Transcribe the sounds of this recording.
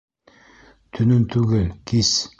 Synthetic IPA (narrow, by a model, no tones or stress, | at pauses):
t̪ʰɵnɘnt̪ʰʉɡɘlkʰʲis